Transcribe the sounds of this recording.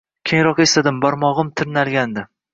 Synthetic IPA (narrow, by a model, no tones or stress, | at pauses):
kʲʰeŋɾɒqest̪ad̪ɪmbɒɾmɒʁɨmt̪ʰɪɾnalɡʲand̪ɪ